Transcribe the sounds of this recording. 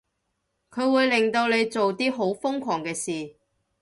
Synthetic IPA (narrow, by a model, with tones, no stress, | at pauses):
kʰɵ˨˧ɥwuː˨˧jlɪ˨ŋt̪o˧wle˨˧jt͡so˨wt̪iː˥ɦo˨˥wfʊ˥ŋkʰɔː˨˩ŋkɛː˧siː˨